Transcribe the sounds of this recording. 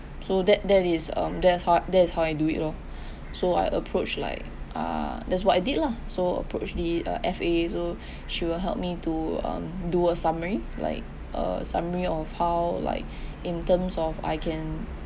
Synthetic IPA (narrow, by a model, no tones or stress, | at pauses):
sodɛt̚dɛtɪsʌ̰̃mdɛtshadɛtshawajduḭtɔl | soa̰jʔəpʰɹot͡ʃla̰ɪk̚ʔa̰dɛts̬wɔtaɪditla | soə̰pʰɹo̰t͡ʃdiʌ̰ʔɛfeso | ʃiwɪlɦɛ̰lp̚mituʌ̰̃mduəsaməɹila̰ɪk̚ | ʔə̰sa̰məɹiɔfhawla̰ɪk̚ĩntə̃msɔfa̰jkʰɛ̃n